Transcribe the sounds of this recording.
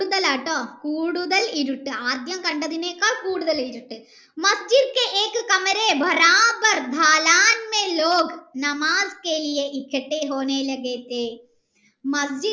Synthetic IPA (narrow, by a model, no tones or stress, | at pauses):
ɽuðɐlaːʈːõːkuːɽuðɐlɪɾɯʈːɯaːd̪jɐmkɐɳɖɐðineːkaːɭkuːɽuðɐlɪɾɯʈːɯ | mɐsd͡ʒid̪keʔeːkɯkɐmɐɾeːbʱɐɾaːbɐɾd̪ʱaːlaːnmeloːɡnɐmaːzkeːlijeʔɪkʰːɐʈːeːɦoːneːlɐɡeːt̪eː | mɐsd͡ʒɪ